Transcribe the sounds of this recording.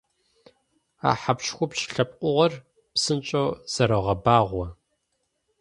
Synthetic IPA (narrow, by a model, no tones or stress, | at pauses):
a̰ːħapɕxʷɔpʃɬɐp̚ʼqʷʼʊʁɐr | psɨnt͡ʃʼoːz̥ɐɾɐʁɐbaːʁʷɐ